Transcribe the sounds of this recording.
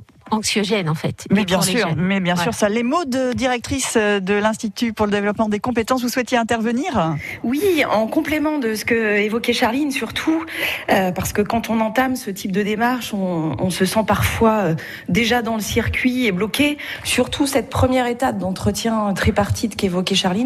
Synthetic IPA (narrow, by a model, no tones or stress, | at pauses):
ɑ̃ksjɔʒɛnɑ̃fɛt̪wibjɛ̃syʁmɛbjɛ̃syʁsalemod̪əd̪iʁɛk̚t̪χisød̪əlɛ̃st̪it̪ypuʁləd̪evlɔpmɑ̃d̪ekɔ̃p̬et̪ɑ̃s̬vuswɛt̪jeɛ̃t̪ɛʁvəniːʁ | wiɑ̃kɔ̃plemɑ̃d̪əsə̥kəevɔkɛʃaʁlinsyʁt̪ʰuøpaʁsə̥kəkɑ̃t̪ɔ̃nɑ̃t̪amsət̪ʰip̚d̪əd̪emaʁʃɔ̃ːsəsɑ̃paʁfwaø | d̪eʒad̪ɑ̃ləsiʁkʲɥieblɔkʲesyʁt̪ʰusɛt̪̚pχəmjɛʁet̪ap̚d̪ɑ̃t̪χət̪jɛ̃t̪χɛpaʁt̪ʰid̪kevɔkʲɛʃaʁlin